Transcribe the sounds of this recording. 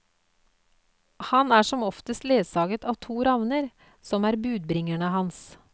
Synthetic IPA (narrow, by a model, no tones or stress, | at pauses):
hɑnæːʂɔmɔft̪əst̪leːsɑːɡət̪ʰɑːʋt̪ʰuːɾɑʋnəɾ | sɔmæːɾbʉːd̪̚bɾɪŋæɳəhɑns